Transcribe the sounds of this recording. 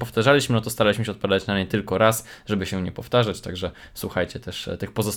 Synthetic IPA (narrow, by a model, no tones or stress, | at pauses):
pɔft̪aʐalʲiɕmɘnɔt̪ɔst̪aɾalʲiɕmɘɕ̬ɛɔt̪̚pɔvʲad̪at͡ɕnamɲɛt̪ɘlkɔɾasʐɛbɘɕɛ̃ɲɛpɔft̪aʐat͡ɕt̪aɡʐɛ | swuxajt͡ɕɛt̪ɛʂt̪ɘxpɔzɔs